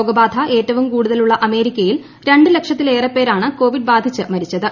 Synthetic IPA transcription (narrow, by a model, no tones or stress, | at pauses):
oːɡɐbaːd̪ʱɐʔe̞ːtːɐʋumkuːɽuðɐluɭːɐʔɐme̞ːɾikʲːɐjil | ɾe̞ɳɖɨle̞kʂɐt̪ːileːrɐpːe̞ːɾaːɳɨko̞ːʋiɖ̚baːd̪ʱit͡ɕːɨmɐɾit͡ɕːɐðɨ